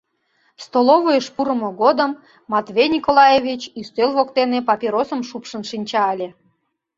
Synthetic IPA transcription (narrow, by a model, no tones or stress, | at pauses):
st̪olˠovojəʃpuɾəmoɣod̪əmː | ɑt̪vʲejnʲikolˠɑjevʲit͡ɕist̪ølβokt̪enepɑpʲiɾosəmʃupʃənʃinʲt͡ɕɑɑlʲe